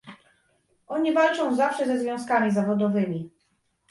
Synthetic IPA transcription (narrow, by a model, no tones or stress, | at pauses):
ʔɔɲivalt͡ʂɔ̃w̃zafʂɛzɛzvʲjɔ̃w̃skamʲizavɔd̪ɔvɘmʲi